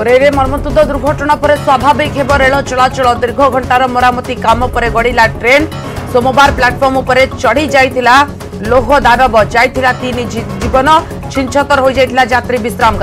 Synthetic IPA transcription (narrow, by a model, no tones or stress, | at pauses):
ɾeɾemɔɾmɔt̪ud̪ʱɔd̪uɾɡʱɔʈɔɽ̃apɔɾeswabʱabikɦebɔɾeɭɔt͡ʃɔɭat͡ʃɔɭɔd̪iɾɡʱɔɡʱɔɳʈaɾɔmɔɾamɔt̪ikamɔpɔɾeɡɔɽilaʈɾen | somɔbaɾplaʈpʰɔɾmupɔɾet͡ʃɔɽ̤id͡ʒajt̪ʰila | loɦɔd̪anɔbɔd͡ʒajt̪ʰilat̪inid͡ʒibɔnɔ | t͡ʃʰint͡ʃʰɔt̪ɔɾɦojd͡ʒajt̪ʰilad͡ʒat̪ɾibisɾamɔka